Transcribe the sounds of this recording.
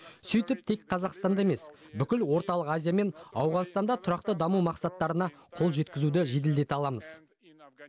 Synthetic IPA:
sʏjt̪ɪp̚t̪ʰe̞kqʰɑzɑqst̪ɑnd̪ɑeme̞s | bʏkʲɪlwo̞ɾt̪ɑlˠəqazʲijame̞nɑ̰wʁɑnst̪ɑnd̪ɑt̪ʰʊɾɑq̚t̪əd̪ɑmumɑqsɑt̪ːɑɾənɑqʰo̞lˠʒe̞t̪kʲɪzud̪ɪʒe̞d̪̬ɪld̪e̞t̪ɑlˠɑməz̥

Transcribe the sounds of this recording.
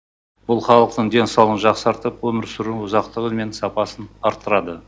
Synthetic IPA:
bʊlˠχɑlˠəq̚t̪əɴd̪e̞nsɑwlˠənʒɑqsɑɾt̪əpwɵmɪɾsʊɾuʊzɑqt̪əʁəlme̞nsɑpɑsənɑɾt̪ːəɾɑd̪ə

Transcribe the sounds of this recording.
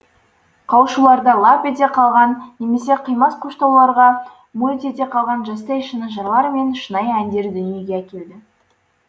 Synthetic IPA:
qʰɑwʃulˠɑɾd̪ɑlˠɑpet̪̬e̞qʰɑlˠʁɑnːe̞me̞s̬e̞qʰəjmɑsqʰoʃt̪ɑwlˠɑɾʁɑ | mut̪e̞t̪e̞qʰɑlˠʁɑnʒɑst̪ɑjʃənəʒɑɾlˠɑɾme̞nʃənɑjænd̪e̞ɾd̪ʏnije̞ɡʲe̞ækʲe̞ld̪ɪ

